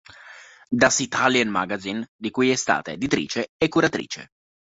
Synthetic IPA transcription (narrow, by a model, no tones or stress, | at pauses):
d̪asit̪alanma̰ɡazind̪ikujɛst̪a̰ːt̪aed̪it̪ɾḭːt͡ʃeekːuɾat̪ɾḭːt͡ʃḛ